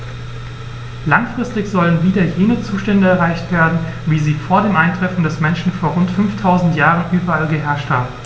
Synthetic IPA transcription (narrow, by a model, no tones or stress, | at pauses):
laŋfʁ̥ɪstɪçz̥ɔlənviːdɐjeːnət͡suːʃtɛndəɛɐʁaɪçtv̥eːɐdn̩ | viːziːfoːɐdeːmʔaɪntʁ̥ɛfn̩dɛsmɛnʃn̩foːɐʁʊntfʏnftʰaʊzn̩tjaːʁənʔyːbɐalɡəɦɛɐʃtha̰ːbm̩